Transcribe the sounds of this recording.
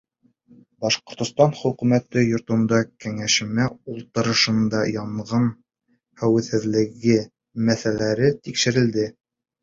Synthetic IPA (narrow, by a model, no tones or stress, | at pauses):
bɑʃqŏɾt̪ŏst̪ɑnχɵ̆kʉmæt̪ɘjŏɾt̪ɤ̆nd̪ɑkæŋæʃɘ̆mæulˠt̪ɤ̆ɾɤ̆ʃɤ̆nd̪ɑjɑmʁɤn | hæwɘ̆θhɘ̆ðlɘ̆ɡɘ | mæθælæɾɘt̪ikʃɘ̆ɾɘ̆ld̪ɘ